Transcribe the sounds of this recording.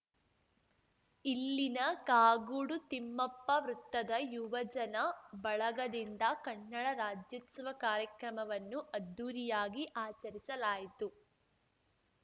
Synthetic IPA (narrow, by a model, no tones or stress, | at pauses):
ilːinɐkaːɡuɽut̪imːɐpːɐʋɾut̪ːɐd̪ɐjuʋɐd͡ʒɐnɐbɐɭɐɡɐd̪ind̪ɐkɐɳːɐɭɐɾaːd͡ʒjɐt̪sʋɐkaːɾjɐkɾɐmɐʋɐnːuʔɐd̪ːuːɾijaːɡiʔaːt͡ʃɐɾisɐlaːjit̪u